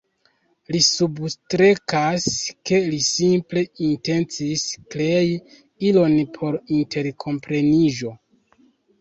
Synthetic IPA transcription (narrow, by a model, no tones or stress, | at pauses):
lisubstɾe̞kaske̞lisimple̞inte̞nt͡siskleji | ilo̞npʰo̞ɾintʰe̞ɾkʰo̞mpɾe̞niʒo̞